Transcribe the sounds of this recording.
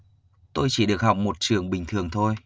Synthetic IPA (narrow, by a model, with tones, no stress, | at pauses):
t̪o˧jt͡ɕi˧˩ɗɨ˨˩ək̚ha̰˨wk͡p̚mo˨˩t̚t͡ɕɨ˨˩əŋɓï˨˩ŋ̟t̪ʰɨ˨˩əŋt̪ʰo˧j